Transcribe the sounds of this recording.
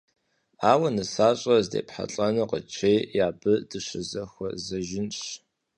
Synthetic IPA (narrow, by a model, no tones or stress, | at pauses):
aːwɐnɨsaːɕʼɐzdḛːpħa̰ɬʼɐnɨqə̰t͡ʃʰeːjaːbɨdɨɕɨzɐxʷɔzɐʒɪnɕ